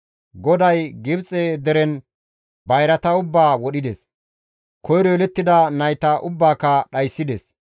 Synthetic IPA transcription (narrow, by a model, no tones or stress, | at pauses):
ɡɔd̪ɐjɡɪbt͡sʼed̪ɛɾɛn | bɐjɾɐt̪ɐʊbːaːwɔɗɪd̪ɛs | kɔjɾɔɛlɛt̪ːɪd̪ɐnɐjt̪ɐʔʊbːaːkɐɗɐjsːɪd̪ɛs